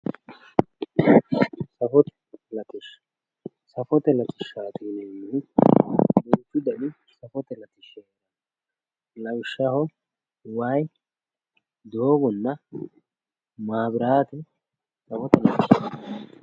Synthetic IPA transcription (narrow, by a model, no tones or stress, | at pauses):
sɐfɔt̪ɛ̥ | lɐt̪ɪʃ | sɐfɔt̪ɛlɐt̪ʼɪʃaːt̪iːneːmːɪ | bʊnt͡ʃːʊd̪ɐɗɪ | sɐfɔt̪ɛlɐt̪ɪʃɛːɾɐ | lɐwʃːɐhɔ | waj | d̪o̞ːɡɔnːɐ | maːbɪɾaːt̪ɛ | sɐfɔt̪ɛlɐt̪ɪʃ